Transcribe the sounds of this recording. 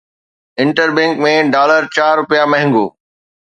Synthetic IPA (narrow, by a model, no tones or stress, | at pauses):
ɪ̃ɳʈəɾbɛ̃ŋkmẽɖaːləɾt͡ɕaːɾːʊpijamɐ̃ɦɪ̃ŋɡo̰ː